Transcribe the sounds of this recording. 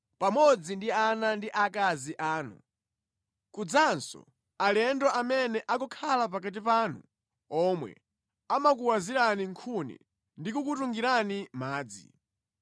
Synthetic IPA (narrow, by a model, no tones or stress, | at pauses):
pamɔd͡zindianandiʔakaziʔaːnṵ | kud͡zansɔ̰ | alɛndɔʔamɛnɛʔak̬ɔkʰalap̬ak̬at̬ipaːnu | ɔmwɛ̰ | amak̬uwaziɾaniŋkʰunḭ | ndikukutuŋɡiɾanimaːd͡zḭ